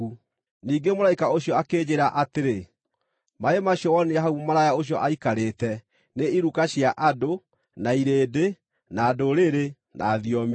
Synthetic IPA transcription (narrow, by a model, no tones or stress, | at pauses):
u | niːɡemoɾaikaoɕjɔakeːd͡ʑeɾaʔateɾe | maemaɕjɔwɔniaɦaumomaɾajaoɕ̬ijɔʔaikaɾeːtɛ | neiɾukaɕjaʔado | naiɾeːde | naːdoɾeɾe | nʔa̰ːðiɔm